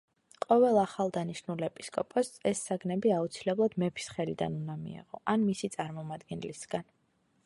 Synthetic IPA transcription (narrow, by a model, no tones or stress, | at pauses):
qʼɔvɛlˠaχalˠd̪aniʃnulɛpʼi̥skʼɔpʼɔsɛsːaɡnɛbiaut̪sʰilɛblˠad̪mɛpʰi̥sχɛlid̪a̰nunamḭɛ̰ʁɔʔanmisit̪sʼaɾmɔmad̪ɡɛnlisɡ̥an